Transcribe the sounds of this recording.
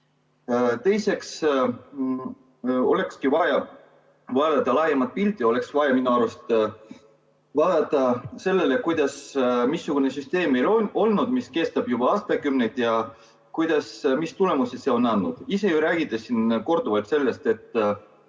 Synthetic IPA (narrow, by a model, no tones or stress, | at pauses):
t̪e̞jse̞ks | o̞̰le̞kskivɑjɑ | vɑːd̪ɑt̪ːɑlɑjemɑt̪̚pilʲt̪ˑːijo̞le̞ksvɑjɑminuɑɾust̪ | vɑːd̪̥ɑt̪ːˑɑse̞lːe̞lekujd̪̥ɑsmisːuɡ̥une̞syst̪e̞ːmːejlo̞lnud̪miske̞st̪ɑb̥jub̥ɑɑːst̪ɑkymnejd̪̥jɑ | kujd̪̥ɑsmist̪ule̞muse̥se̞o̞nːɑnːud̪̥ise̞juɾæːɡ̥it̪ːˑesinko̞rd̪̥uvɑlt̪se̞lːe̞st̪e̞t̪ːˑ